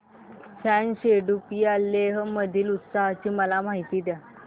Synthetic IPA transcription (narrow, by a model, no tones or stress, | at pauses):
fɛnɕeɖupiːalːeɦəməd̪ʱiːlut̪saɦt͡ɕiːməlamaɦit̪iːd̪ja